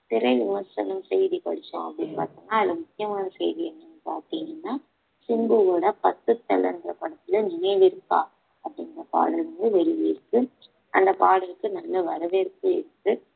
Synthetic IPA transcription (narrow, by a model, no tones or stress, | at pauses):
pɪɾɐɪʋɪmɐsɐ̰nɐmsɛjðikɔ̰ɽɪt͡ʃːã̰ːɐ̰pːɐɽinːpa̰ːɾt̪iŋɡaːɪlɐmʊkːɪjɐmaːnɐsɛ̰jðiɛnːɐnːɯpaːɾt̪iːŋɡɐnːaː | sɪmbɯɣoːɽɐpɐt̪ːɯt̪ːɐlɛ̰nɡɪɾɐpɐɽɐt̪ːɪlɐnɪnɐɪlɪɾɯkːa̰ː | ɐpːɐɽɪŋɡɪɾɐpa̰ːɽɐlʋɐnd̪ɯʋɛɭɪʋɪɾɯkːɯ | ʔɐnd̪ɐpaːɽɐlɯkːɯnɐlːɐʋɐɾɐʋeɾɯkːɯɪ̰ɾɯkːɯ